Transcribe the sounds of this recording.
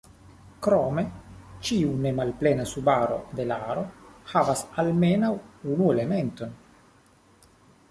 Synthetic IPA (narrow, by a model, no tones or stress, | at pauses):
kɾome̞t͡ʃiune̞malplenasubaɾo̞̰d̪e̞laɾo̞havasalmenawunuelement̪o̞n